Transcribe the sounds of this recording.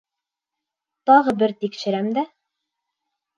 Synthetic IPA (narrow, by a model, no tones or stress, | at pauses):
t̪ɑʁɤbɘɾt̪ikʃɘ̆ɾæmd̪æ